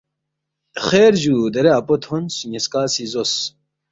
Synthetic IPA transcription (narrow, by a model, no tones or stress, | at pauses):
χeːɾʑud̪ɐɾeapot̪honsuneskaːsizos